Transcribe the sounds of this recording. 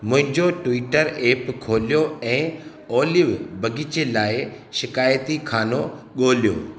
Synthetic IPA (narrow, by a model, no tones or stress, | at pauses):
mʊ̃ɦɪ̃ɲd͡ʑoʈʋiːʈəɾeːpkʰoːlijoɛ̃ː | oːlɪʋbɐɡʱɪt͡ɕelaːɪ | ʃɪkaːjt̪ikʰaːno | ɠoːlijo̰ː